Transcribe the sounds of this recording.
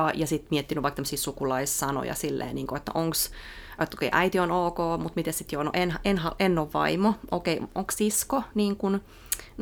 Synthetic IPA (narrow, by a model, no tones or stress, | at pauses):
ɑjɑsit̪miet̪ːinyʋɑikt̪æmːsiːsukulɑissɑno̰jɑ̰silːḛːniːŋkoet̪ːæ̰ʔoŋksøt̪ːokḛiʔæit̪ionoːkoːmut̪mit̪essit̪joːno̰ʔenʔenhɑʔenːoʋʋɑ̰imoʔokeiʔoŋkssiskoniːŋkun